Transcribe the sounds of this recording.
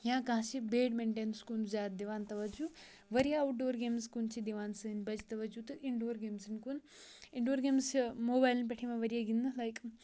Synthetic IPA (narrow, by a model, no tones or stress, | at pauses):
jãːkãɦʃibeːɖmeɳʈẽːnskund͡ʒaːt̪d̪iʋaːnt̪ɐʋɐd͡ʒu | ʋɐɾijɐɐwʈ̚ɖoːɾɡeːmskunt͡ʃid̪iʋaːnsɨnbɐd͡ʒit̪ɐʋɐd͡ʒut̪ɨʔiɳɖoːɾɡeːmsinkuniɳɖoːɾɡeːmsmoːbaːjlnp̬eʈʰimaʋɐɾijɐɡinɨlɐjk